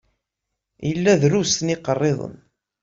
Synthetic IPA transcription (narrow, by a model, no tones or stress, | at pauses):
jəlːæðɾusniqərˤːeðˤə̰n